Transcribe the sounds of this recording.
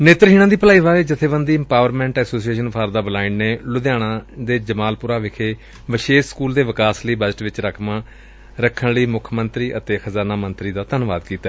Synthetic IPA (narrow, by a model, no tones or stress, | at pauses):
neːt̪ɾɦiːɽ̃ãːd̪iːpəlaːiːʋaːeːd͡ʒɪt̪ʰːeːbənd̪iːɛmpaːʋəɾmɛ̃ːɳʈɛːsoːsieːʃənpʰaːɾd̪aːbəlaːɪnneːlʊd̪jaːɽ̃ãːd̪eːd͡ʒəmaːlpʊɾaːʋɪkʰeː | ʋəʃeːskuːld̪eːʋɪkaːsləiːbəd͡ʒəʈʋɪt͡ʃɾəkʰmãː | ɾəkʰːəɳləiːmʊkʰmənt̪ɾiːʔət̪eːxʰəzaːnaːmənt̪ɾiːd̪aːt̪ənʋaːd̪kiːt̪a